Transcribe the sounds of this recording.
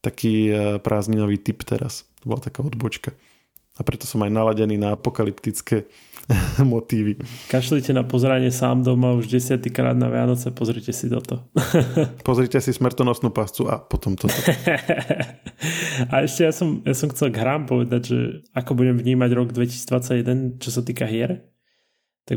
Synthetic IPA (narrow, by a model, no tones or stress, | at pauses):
t̪akʰiːpɾʔaːzɲinɔʋiːt̪ipt̪ɛ̰ɾa̰st̪ɔbɔlat̪akaːɔd̪bɔt͡ʃka | apɾɛt̪ɔ̥sɔmajnalaɟɛniːnaapɔkalipt̪it͡skɛː | mɔt̪iːʋikaʃlicɛnapɔzɾaɲɪɛsa̰ːmd̪ɔmauʒɟɛsɪat̪ikɾa̰ːd̪̚na̰ʋɪa̰nɔt͡sɛapɔzɾicɛsid̪ɔ̰t̪ɔ | pɔzɾicɛsismr̩t̪ɔnɔsnuːpast͡sua̰pɔt̪ɔmt̪ɔ | aɛʃcɛjasɔmjasɔmxt͡sɛlɡɦɾaːmpɔʋɛd̪aɟʒɛ̰akɔbuɟɛmvɲiːmaɟɾɔɡd̪ʋɛcisid͡zd̪ʋat͡sːaɟjɛd̪ɛnt͡ʃɔsat̪iːkaɦɪɛɾ | t̪aɡ